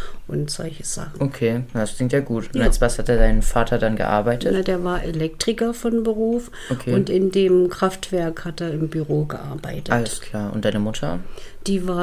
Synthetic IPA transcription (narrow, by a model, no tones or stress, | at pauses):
ʔʊntz̥ɔ̰lçə̥z̥a̰χn̩okʰeːdaskl̥ɪŋk̚tjaːɡuːtʊntastv̥ashatdeːɐdaɪnənfaːtʰɐdanɡə̰ʔa̰ɐbaɪtʰətnadeːɐvaːɐʔelɛk̚tʁ̥ɪkɐfɔnbəʁuːf | okʰeːʊntɪndeːmkʁ̥aftv̥ɛɐkhateːɐɪmbyʁoːɡəʔa̰ɐba̰ɪtʰəaləskʰl̥aːɐʔʊ̰ntd̥aɪnəmʊtʰɐd̥iːvaːɐ